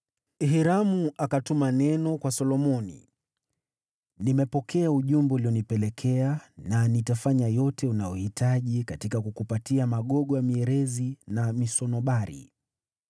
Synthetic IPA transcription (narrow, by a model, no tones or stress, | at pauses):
ɦiɾamuʔakatumanɛnɔkwasɔlɔmɔnḭ | nimɛpɔkʰɛauʄumbɛuliɔnipɛlɛkʰɛananitafaɲajɔtɛunajɔhitʰaʄikatikakukupatiamaɠɔɠɔjamiɛɾɛzinamisɔnɔɓaɾḭ